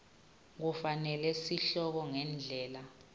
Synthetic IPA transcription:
k̬ufanɛlɛsiɬɔk̬ɔŋɛnd͡ɮʱɛːla

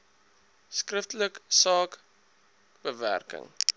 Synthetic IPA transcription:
skrəftələksɑːk | bəvæ̰rkə̰ŋ

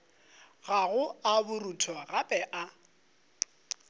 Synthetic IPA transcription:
ɣaɣʊabʊrutʰɔɣapʼɛʔa

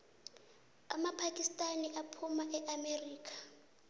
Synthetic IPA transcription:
amapʰakʼistʼaniʔapʰumaʔɛʔameriːkʰʼḁ

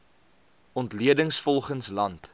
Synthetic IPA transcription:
ɔntliədəŋsfɔlˠχənslɐnt

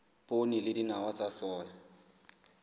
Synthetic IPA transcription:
pʊnɪlɪdinawat͡sasɔːjɔ

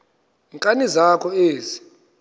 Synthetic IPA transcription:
iŋkʼanizakʰɔeːzi̥

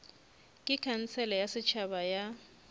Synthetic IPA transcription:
kʼɪkʰan̩t͡sʰɛlɛjasɪt͡ʃʰabaja

